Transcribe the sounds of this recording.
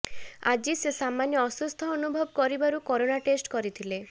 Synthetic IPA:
a̰d͡ʒisesamanjɔːsust̪ʰɔɔnubʱɔbɔkɔɾibaɾukɔɾonaʈesʈkɔɾit̪ʰile

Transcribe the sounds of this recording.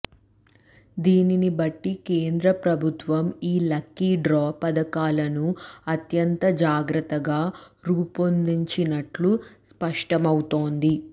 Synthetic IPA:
d̪iːninibɐʈːikeːnd̪ɾɐpɾɐbʱut̪ʋɐmiːlɐkːiɖɾɔːpɐd̪ɐkaːlɐnuɐt̪jɐnt̪ɐd͡ʒaːɡɾɐt̪ːɐɡaː | ɾuːpond̪iɲt͡ʃinɐʈluspɐʂʈɐmɐwut̪o̞ːnd̪i

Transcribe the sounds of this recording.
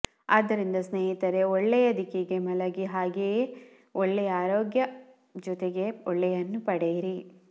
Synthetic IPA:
aːd̪ːɐɾind̪ɐsneːɦit̪ɐɾe̞ɔɭːɛjɐd̪ʱikiɡe̞mɐlɐɡiɦaːɡe | ɔɭːɛjɐaːɾoːɡjɐ | d͡ʒɔt̪eɡe̞ɔɭːɛjɐnːupɐɽejiɾi

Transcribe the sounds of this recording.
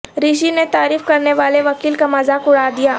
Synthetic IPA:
ɾiːʃ̬inet̪aːɾiːfkɐɾneʋaːleʋɐkiːlkamɐzaːkʊɽaːd̪ijaː

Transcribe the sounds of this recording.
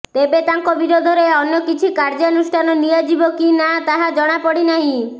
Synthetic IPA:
t̪ebet̪aŋkɔbiɾod̪ʱɔɾeɔnjɔkit͡ʃʰikaɾd͡ʒaɔnusʈʰanɔnijad͡ʒibɔkinat̪aɦad͡ʒɔɽ̃apɔɽinaɦĩ

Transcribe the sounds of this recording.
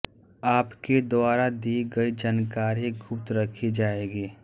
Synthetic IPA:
aːpked̪ʊaːɾad̪iːɡɐid͡ʒaːnkaːɾiɡʊpt̪ɾɐkʰid͡ʒaːeːɡiː

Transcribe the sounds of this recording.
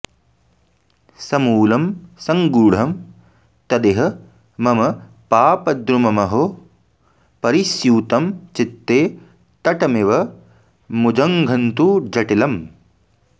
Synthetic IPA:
sɐmuːlɐmsɐŋɡuːɽ̤ɐm | t̪ɐd̪eɦɐ̆ | mɐmɐ | paːpɐd̪ɾumɐmɐɦo | pɐɾisjuːt̪ɐmt͡ʃit̪ːeː | t̪ɐʈɐmeʋɐ | mud͡ʒɐŋɡʱɐnt̪ud͡ʒɐʈilɐm

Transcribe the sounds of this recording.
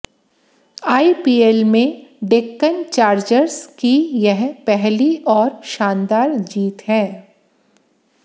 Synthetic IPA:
aːipiːelmẽɖekːənt͡ʃaːɾd͡ʒəɾskijɛɦpɛɦliʔɔːɾʃãːnd̪aːɾd͡ʒiːt̪ɦɛ̃ː

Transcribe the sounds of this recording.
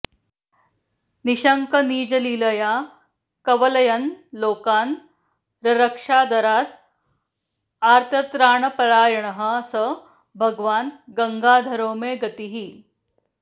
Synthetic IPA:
niɕəŋkəniːd͡ʒɐliləja | kɐʋələjənloːkaːn | ɾɐɾəkʂad̪ʱəɾaːt̪ | aɾt̪ʰət̪ɾaːɳəpɐɾaːjɐɳəɦəsə | bʱəɡʋaːnɡəŋɡaːd̪ʱəɾoːmeɡɐt̪iɦiː

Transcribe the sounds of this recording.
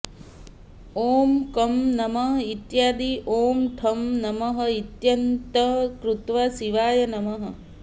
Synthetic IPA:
oːmkɐmnɐmɐɦit̪jaːd̪iʔoːmʈʰɐmnɐmɐɦɐ̆it̪jɐnt̪ɐkɾut̪ʋasiʋaːjɐnɐmɐɦɐ̆

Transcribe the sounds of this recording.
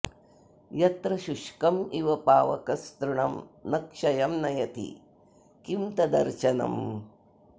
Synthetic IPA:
jɐt̪ɾɐʃuʂkɐmiʋɐpaːʋɐ̰kɐst̪ɾuɳɐmnɐkʂɐjɐmnɐjɐt̪ḭ | kimt̪ɐd̪ɐɾʃɐnɐ̰m

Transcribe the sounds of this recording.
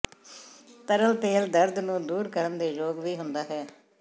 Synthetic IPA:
t̪əɾəlt̪eːld̪əɾd̪nũːd̪uːɾkəɾənd̪eːd͡ʒoːɡʋiːɦʊnd̪aːɦɛː

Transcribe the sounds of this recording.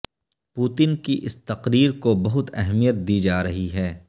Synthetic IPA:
puːt̪ɪnkiʔɪst̪ɐqɾiːɾkobɐɦʊt̪ɛɦmijət̪̚d̪iːd͡ʒaːɾɐɦiɦɛː

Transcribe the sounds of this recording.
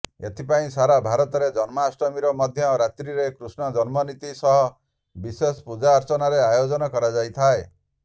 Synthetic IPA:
ḛt̪ʰipaĩsaɾabʱaɾɔt̪ɔɾed͡ʒɔnmɔːsɔmiɾɔmɔd̪ʱjɔɾat̪ɾiɾekɾusnɔd͡ʒɔnmɔnit̪isɔɦɔ | bisespud͡ʒaːɾt͡ʃɔnaɾeajod͡ʒɔnɔkɔɾad͡ʒajt̪ʰae

